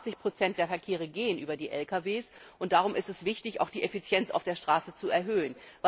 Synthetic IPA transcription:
t͡sɪçpʁ̥ot͡sɛntd̥eːɐfɛɐkʰeːʁ̞əɡeːənʔyːbɐdiːʔɛlkaveːs | ʔʊnt̚d̥aʁʊmʔɪstɛsv̥ɪçtɪça̰ʊxd̥iːʔefit͡sjɛnt͡sa̰ʊfd̥eːɐʃtʁ̥aːsət͡suɛɐɦøːən | v

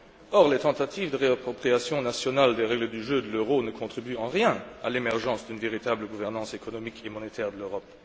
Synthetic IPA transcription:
ɔʁlet̪ɑ̃t̪at̪ʰiːvd̪əʁeapχɔpχiasjɔ̃nasjɔnald̪eʁɛɡləd̪yʒød̪əløʁonəkʰɔ̃t̪χibyɑ̃ʁjɛ̃alemɛʁʒɑ̃sd̪ynveʁit̪abləɡuvɛʁnɑ̃sekɔnɔmikʰemɔnet̪ɛːʁd̪əløʁɔp

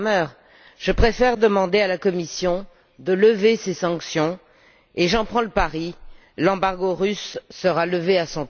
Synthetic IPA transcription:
mœʁ | ʒ̥əpχefɛʁd̪əmɑ̃d̪ealakɔmisjɔ̃ | d̪ələvesesɑ̃ksjɔ̃ | eʒɑ̃pχɑ̃ləpaʁi | lɑ̃baʁɡoʁysːəʁaləveasɔ̃t

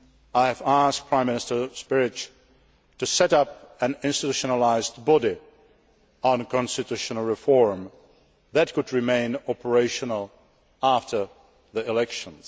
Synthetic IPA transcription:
aɪɨvæsk̚pʰɹ̥ãɪ̃mːɪnɪstə˞spɪɹɪt͡ʃ | tɨsɛɾʌp̚ɨ̃nɪ̃nstɨtuʃənəlaɪzdbɔdi | ə̃nkʰɔ̃nstɨtʉʃənəl̩ˠɹɪfɔɹm | ðɨt̚kʊd̚ɹɨmẽɪ̃nɑpə˞eɪʃənəl̩ˠ | æftʰə˞ | ðiɪlɛkʃə̃nz̥

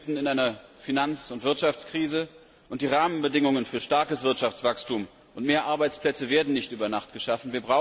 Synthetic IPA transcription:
tn̩ɪnʔaɪnɐfinant͡sʊntv̥ɪɐtʃaft͡skʁ̥iːzə | ʔʊnt̚d̥iːʁaːmənbədɪŋʊŋənfyːɐʃtaɐkəsv̥ɪɐtʃaft͡sv̥akstuːm | ʔʊntmeːɐʔaɐbaɪt͡spl̥ɛt͡səveːɐdn̩nɪçtʔyːbɐnaχtɡ̥əʃafn̩viːɐbʁaʊ

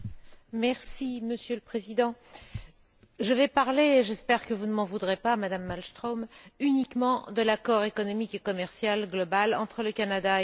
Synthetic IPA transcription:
mɛʁsiməsjøləpχezid̪ɑ̃ | ʒəvɛpaʁleʒɛspɛʁkəvunəmɑ̃vud̪ʁepamad̪amːalst̪χomynikmɑ̃d̪əlakɔʁekɔnɔmikekɔmɛʁsjalɡlɔbalɑ̃t̪χələkanad̪a

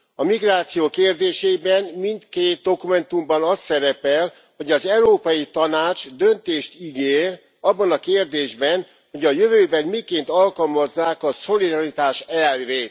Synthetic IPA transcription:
ɒmiɡraːt̪sijoːkeːrd̪eːʃeːbɛnmint̪keːt̪̚d̪o̞kumɛnt̪umbɒnɒst̪ːɛɾɛpɛl | ho̞ɟɒzɛuɾoːpɒjit̪ɒnaːt͡ʃd̪ø̞nt̪eːʃt̪iɡeːr | ɒbːɒnɒkeːrd̪eːʒbɛn | ho̞ɟɒjøvøːbɛnmikeːnt̪ɒlkɒlmɒzːaːkɒso̞lid̪ɒɾit̪aːʃɛlɾeːt̪

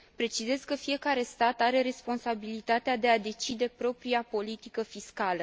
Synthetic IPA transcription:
pɾe̞t͡ʃize̞zkəfije̞kaɾe̞st̪at̪aɾe̞ɾe̞spo̞nsabilit̪at̪ead̪e̞ad̪e̞t͡ʃid̪e̞pɾo̞pɾiapo̞lit̪ikəfiskalə

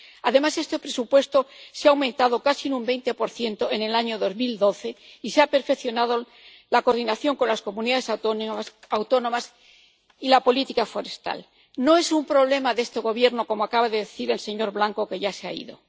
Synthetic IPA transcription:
aðe̞mase̞st̪e̞pɾe̞supwe̞st̪oseaːwmẽnt̪að̞o̞kasinumbe̞jnt̪e̞po̞ɾθje̞nt̪o̞enelaɲo̞ðo̞zmild̪o̞θe̞iseape̞ɾfe̞kθjo̞nað̞o | lako̞ɾðinaθjo̞ŋko̞nlasko̞muniðaðe̞s | awt̪o̞nõ̞mas | ilapo̞lit̪ikafo̞ɾest̪a̰l | no̞e̞sumpɾo̞β̞le̞maðe̞st̪eɣ̞o̞βje̞ɾno̞ko̞moakaβaðe̞ðeθiɾe̞lse̞ɲo̞ɾβlaŋko̞ke̞ʝaseaḭðo̞̰

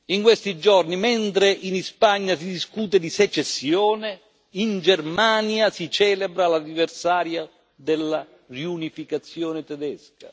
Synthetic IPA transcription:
iŋkwest̪id͡ʒɔrnimɛnt̪ɾeʔinispaɲːasid̪iskuːt̪ɛd̪isɛt͡ʃːɛsːjɔːnɛ | ind͡ʒɛrmaːnjasit͡ʃɛːlɛbɾalaniversaːɾja | d̪ɛlːa | riunifikat̪sːjɔːnɛt̪ɛd̪ɛska

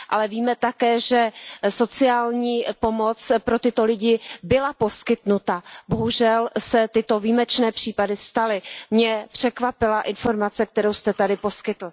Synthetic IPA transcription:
ʔa̰lɛviːmɛt̪akɛːʒɛso̞t͡sɪaːlɲiːpo̞mo̞t͡spɾo̞t̪ɪt̪o̞lɪɟɪbɪlapo̞skɪt̪nut̪abo̞ɦuʒɛlsɛt̪ɪt̪o̞viːmɛt͡ʃnɛːpr̥iːpadɪst̪alɪmɲɛpr̝̥ɛkvapɪlaʔɪnfo̞ɾmat͡sɛk̚t̪ɛɾowst̪ɛt̪adɪpo̞skɪt̪l̩

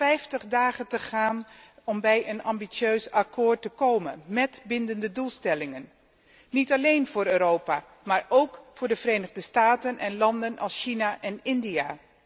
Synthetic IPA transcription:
fɛjftəχdaːχəntəχaːnɔmbɛjʔənɑmbisjøɥsɑkʰoːɹtəkowmə̰nmɛtbɪndəndədulˠstɛlɪŋənː | itɑlejnvʊːɾøːɾowpa | maːɹʔowkfʊːɹdəvərejnəʁdəstaːtənʔɛnlɑndənɑ̰lˠsʃinaʔɛnɪndijaː

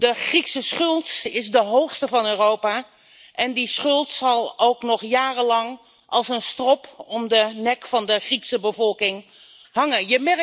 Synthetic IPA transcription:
dəχriksəsχɵlˠtɪzdəɦowχstəvɑnøːrowpaː | ʔɛndisχɵlˠtsɑlˠowknɔχjaːrəlɑŋ | ʔɑlˠsənstrɔpɔmdənɛkfɑndəχriksəbəvɔlˠkɪŋ | hɑŋənjəmɛ

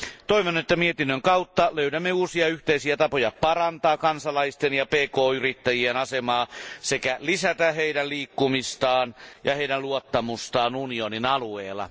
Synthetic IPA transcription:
t̪oiʋonet̪ːæmiet̪inːøŋkɑut̪ːɑløydæmːeuːsiɑyht̪eisiæt̪ɑpojɑpɑrɑnt̪ɑːkɑnsɑlɑist̪enjɑpeːkoːyrit̪ːæjienɑsemɑːsekælisæt̪æheiɾælliːkːumist̪ɑːnjɑheidæluot̪ːɑmust̪ɑːnunioninɑlueːlːˑɑ̰

